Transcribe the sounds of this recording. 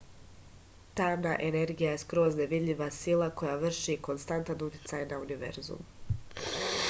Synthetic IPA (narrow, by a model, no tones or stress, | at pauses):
t̪aːnaʔe̞ne̞ɾɡijaje̞skɾo̞ːzne̞ʋid̪ʎʲiʋasilˠako̞jaʋr̩ʃiko̞nst̪ant̪anut̪ʲi̥t̪sajnauniʋe̞̰ɾzṵm